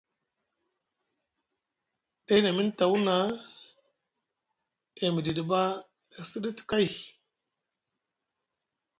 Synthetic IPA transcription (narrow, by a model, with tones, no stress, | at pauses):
ɗa˦na˨mi˦nta˨wu˦na˨˦ | e˨mi˨di˨di˨ba˦ | e˨si˦ɗi˦ti̥˨ka˦j